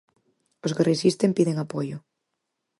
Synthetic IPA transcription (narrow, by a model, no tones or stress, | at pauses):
oskeresist̪empiðeŋapojʊ